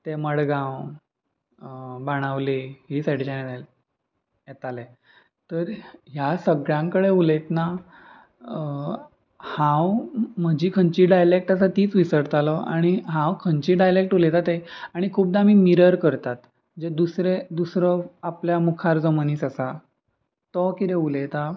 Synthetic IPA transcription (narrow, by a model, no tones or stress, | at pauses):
t̪eməɽɡãw | baɽ̃aʋliɦiːsaʈit͡ɕanet̪al | jet̪ale | t̪əɾɦjasəɡɭjãŋkəɽeulet̪na | hãwm̤əd͡ʑiːkʰəɲt͡ɕiɖajlek̚ʈasat̪iːt͡sʋisəɽt̪alɔa̰ɽ̃iɦãwkʰənt͡ɕiːɖajlek̚ʈulet̪at̪ejaɽ̃ikʰuːp̚d̪amiːmiɾəɾkəɾt̪at̪ | d͡ʑed̪usɾed̪usɾəapljamukʰaɾd͡zɔməniːsasa | t̪ɔkit̪eulet̪a